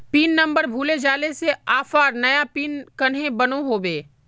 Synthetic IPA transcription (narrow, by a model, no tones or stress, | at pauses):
piːnːɐ̃mbəɾbʱuːled͡ʒaːleseaːfaːɾnɐjapiːnkɐnɦẽbɐnoɦoːbeː